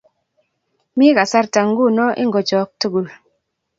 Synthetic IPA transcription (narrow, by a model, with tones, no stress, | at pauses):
mi˦ka˨sa˦ɾta˨ŋ̩˦ɡu˦˨nɔ˦ʔḭ˦ŋ˨ɡɔ˨t͡ʃɔ˨k̚tu˦ɡu˨l